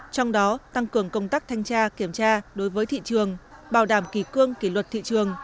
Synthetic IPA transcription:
t͡ɕɔ˧wŋ͡mɗɔ˨˦t̪a˧ŋkɨ˧˩əŋkə˧wŋ͡mt̪aː˦˥k̚t̪ʰa˧jŋ̟t͡ɕaː˧ki˧˩əmt͡ɕaː˧ɗo˨˦jvəː˨˦jt̪ʰḭ˧˨t͡ɕɨ˨˩əŋɓaː˧˩wɗaː˧˩mki˧˩kɨ˧əŋki˧˩lwə˨˩t̚t̪ʰḭ˧˨t͡ɕɨ˨˩əŋ

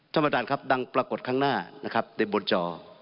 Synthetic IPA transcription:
t̪ʰa˥˩mːa˧˩t͡ɕaː˨˩nkʰa˦˥p̚da˧ŋpɾa˧ko˨˩t̪̚kʰaː˥˩ŋnaː˥˩na˦˥kʰa˦˥p̚da˧˩bo˧nt͡ɕɔː˧

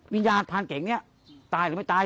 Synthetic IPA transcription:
wi˧njaː˧npʰaː˧nke˨˩˦ŋni˦˥˩ɐ | t̪aː˧jɾɯ˨˦ma˥˩jt̪aː˧

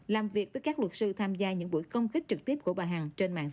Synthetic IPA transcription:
laː˨˩mvi˨˩ək̚vəː˨˦jkaː˦˥k̚lwə˨˩t̚sɨ˧t̪ʰaː˧mzaː˧ɲɨ̰˧˥ŋɓṵ˧˥jkə˧wŋ͡mkï˦˥k̟̚t͡ɕɨ˨˩k̚t̪i˦˥p̚ku˧˩əɓaː˨˩ɦa˨˩ŋt͡ɕe˧nma̰ː˧˨ŋ˧˦

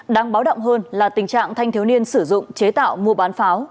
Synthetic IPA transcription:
ɗaː˧ŋɓaː˨˦wɗə̰˧˨wŋ͡mɦəː˧nlaː˨˩t̪ï˨˩ŋ̟t͡ɕa̰ː˧˨ŋt̪ʰa˧jŋt̪ʰi˨˦wni˧ənsɨ˧˩zʊ̰˧˨ŋ͡mt͡ɕe˨˦t̪a̰ː˧˨wmu˧əɓaː˨˦nfaː˨˦w

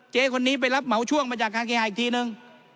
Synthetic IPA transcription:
t͡ɕeː˧kʰo˧nːiː˦˥p̬a˧jla˦˥p̚ma˨˩˦wt͡ɕʰu˥˩əŋmaː˧t͡ɕaː˨˩k̚ːaː˧nkʰa˧haː˨˩i˨˩kt̪ʰiː˧nɯ˧ŋ

